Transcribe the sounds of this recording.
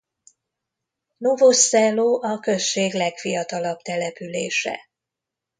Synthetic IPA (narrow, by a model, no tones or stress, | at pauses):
novosːɛloːʔɒkø̞sʃeːɡlɛkfijɒt̪ɒlɒbt̪ɛlɛpylḛːʃɛ̰